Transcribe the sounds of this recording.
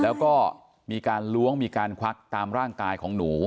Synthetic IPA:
lɛː˦˥wkɔː˥˩ | miː˧kaː˧nlu˦˥əŋmiː˧kaː˧nkʰa˦˥k̚t̪aː˧mɾaː˥˩ŋkaː˧jkʰɔː˩˦ŋnuː˩˦

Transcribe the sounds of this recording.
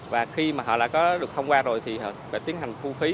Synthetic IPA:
vaː˨˩xi˧maː˨˩ɦɔ̰˧˨ɗa̰ː˧˥kɔ˨˦ɗɨ˨˩ək̚tʰə˧wŋ͡mkwaː˧zo˨˩jt̪ʰi˨˩hɔ˧˨˩faː˧˩t̪i˨˦ənɦa˨˩jŋ̟vu˧fi˨˦

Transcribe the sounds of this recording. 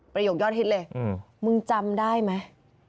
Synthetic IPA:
pɾa˧joː˨˩k̚jɔː˥˩t̪̚he˦˥lɤː˧j | mɯ˧ŋt͡ɕa˧mdaː˥˩jma˦˥

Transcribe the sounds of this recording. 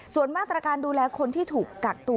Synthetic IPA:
su˨˩ənmaː˥˩t̪ɾa˧kaː˧nduː˧lɛː˧kʰo˧nt̪ʰiː˥˩t̪ʰuː˨˩kːa˨˩k̚t̪u˧

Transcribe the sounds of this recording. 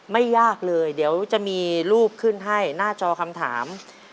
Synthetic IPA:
ma˥˩jːaː˥˩k̚lɤː˧jdi˩˦əwt͡ɕa˨˩ʔmiː˧ɾuː˥˩p̚kʰɯ˥˩nɦa˥˩jnaː˥˩t͡ɕɔː˧kʰa˧mt̪ʰa̰ː˩˦m

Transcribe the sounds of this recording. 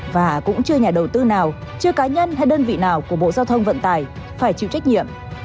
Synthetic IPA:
vaː˨˩kʊ̰˧˥ŋ͡mt͡ɕɨ˧əɲaː˨˩ɗə˨˩wt̪ɨ˧naː˨˩w | t͡ɕɨ˧əkaː˨˦ɲə˧nɦa˧jɗəː˧nvḭ˧˨naː˨˩wku˧˩əɓo̰˧˨zaː˧wt̪ʰə˧wŋ͡mvə̰˧˨nt̪aː˨˩j | faː˧˩jt͡ɕḭ˧˨t͡ɕa˦˥k̟̚ɲḭ˧˨əm

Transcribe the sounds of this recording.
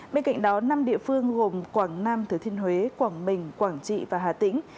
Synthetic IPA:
ɓe˧nka̰˧˨ŋ̟ɗɔ˨˦na˧mɗḭ˧˨əfɨ˧əŋɣo˨˩mkwaː˧˩ŋnaː˧mt̪ʰɨ˨˧˩t̪i˧ənɦwe˨˦kwaː˧˩ŋɓï˨˩ŋ̟kwaː˧˩ŋt͡ɕḭ˧˨vaː˨˩ɦaː˨˩t̪ï˧˥ŋ̟

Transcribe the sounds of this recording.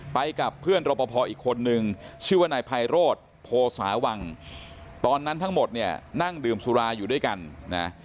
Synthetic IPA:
pa˧jka˨˩pʰːɯ˥˩ənɾoː˧pːɔː˧pʰɔː˧ʔiː˨˩kʰːo˧nːɯ˧ŋt͡ɕʰɯː˥˩waː˥˩naː˧jpʰa˧jɾoː˥˩t̪̚ | pʰoː˧sa̰ː˩˦wa˧ŋ | t̪ɔː˧nːa˦˥nt̪ʰa˦˥ŋmo˨˩t̪̚ni˥˩ɐna˥˩ŋdɯː˧msu˧ɾaː˧juː˨˩du˥˩jka˧nna̰˦˥

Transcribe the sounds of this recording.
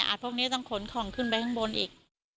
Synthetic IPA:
ʔa̰ː˨˩pʰu˥˩kniː˦˥˩t̪ɔ˥˩ŋkʰo˨˩˦nkʰɔː˨˩˦ŋkʰɯ˧˥˩np̬a˧t̪ʰa˥ŋbo˧nʔḭː˨˩k̚

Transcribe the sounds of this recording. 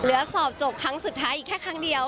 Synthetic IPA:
lɯ˩˦ɐsɔː˨˩p̚t͡ɕo˨˩p̚kʰɾa˦˥ŋsu˨˩t̪ʰːaː˦˥ʔiː˨˩kʰɛː˥˩kʰa˦˥ŋdi˧əw

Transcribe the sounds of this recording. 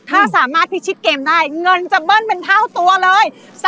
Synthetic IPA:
t̪ʰaː˧˩saː˧˩maː˧˥t̚fʰi˧˩t͡ɕʰi˦˥k̚ke˨˩mɗaː˧˩jŋə˨˩nt͡ɕa˨˧˩ɓəː˧nmï˨˩ŋ̟t̪ʰaː˧˩wt̪u˨˩ələː˨˩j | sa˧

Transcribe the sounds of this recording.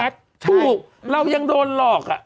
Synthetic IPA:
t̪ʰuː˧˩k̚ | ɾa˧wja˧ŋdoː˧nlɔː˨˩k̚ʔa̰˨˩ʔ

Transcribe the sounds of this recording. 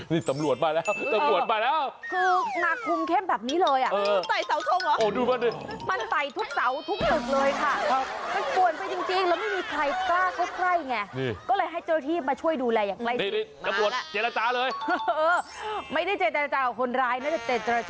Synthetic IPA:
niː˧˩sa˨˦mlu˨˩ət̪̚maː˧jlɛː˦˥wsa˨˦mu˨˩ət̪̚maː˧lɛː˦˥wkʰɯː˧naː˨˩kkʰːu˧mkʰe˥˩mbɛː˨˩p̚niː˦˥lɤː˧jʔa˨˩ʔɤː˧t̪a˨˩jsa˨˦wt̪ʰo˧ŋa˨˦ʔoː˧˩duː˧ma˧n˧˩ | ma˧nsa˨˩jt̪ʰu˦˥k̚sa˩˦wt̪ʰu˦˥k̚su˨˩k̚lɤː˧jkʰa˥˩˦ma˧npu˨˩ən̚pa˧jt͡ɕi˧ŋt͡ɕi˧ŋlɛː˧˥wma˥˩jmiː˧kʰɾa˧jklaː˥˩kɔː˦˥˩kʰɾa˥˩jŋa˧˩ni˧˩kɔː˥˩lɤː˧jɦa˥˩jt͡ɕːa˧t̪ʰiː˥˩p̚maː˧t͡ɕʰu˥˩əjduː˧lɛː˧jaː˨˩ŋkla˥˩jniː˥˨i˥˩maː˧˦bu˨˩ət̪t͡ɕe˧la˧t͡ɕaː˧lɤː˧jʔɤː˧ma˥˩jda˥˩jt͡ɕeː˨˩t̪̚t͡ɕa˧ɾa˧t͡ɕaː˧˩ka˨˩kʰo˧nɾaː˧jnaː˥˩t͡ɕa˨˩t͡ɕeː˨˩t̪̚t͡ɕa˧a˧t͡ɕ

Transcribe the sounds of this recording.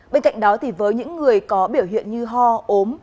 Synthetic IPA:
ɓe˧nka̰˧˨jŋ̟ɗɔ˨˦t̪ʰi˨˩vəː˨˦jɲɨ̰˧˥ŋːɨ˨˩əjkɔ˨˦ɓi˧˩əwhɦḭ˧˨ənɲɨ˧ɦɔ˧ʔo˨˦m

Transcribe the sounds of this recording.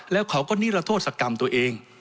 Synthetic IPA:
lɛː˦˥wkʰa˨˦wkɔː˥˩niː˦˥˩ɾa˧t̪ʰoː˥˩t̪̚sa˧ka˧mt̪u˧ɐʔeː˧ŋ

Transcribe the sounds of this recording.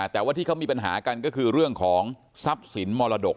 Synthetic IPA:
t̪ɛː˨˩waː˥˩t̪ʰiː˥˩a˦˥wmiː˧pa˧nɦa̰ː˩˦ka˧nkɔː˥˩kʰɯː˧ɾɯ˥˩əŋkʰɔː˩˦ŋ | sa˦˥p̚si˩˦nmɔː˧la˧do˨˩k̚

